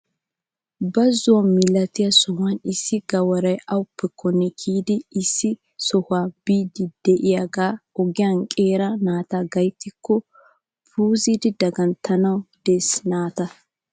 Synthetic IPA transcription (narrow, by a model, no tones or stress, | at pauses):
bɐzʊwɐmɪlːɐt̪ɪjɐsɔhʊanɪsːɪɡɐwɐɾɐjɐwʊpːɛkːɔnːɛkʰiːd̪ɪːsːɪ | sɔhʊaːbiːd̪ɪd̪̥ɛʔɪjaɡaːɔɡɪjaŋkʼeːɾɐnaːt̪aːɡɐjt̪ːɪkʰːɔ | puːziːd̪ɪd̪ɐɡɐnt̪ʰːɐnɐwd̪̥esnaːt̪ɐ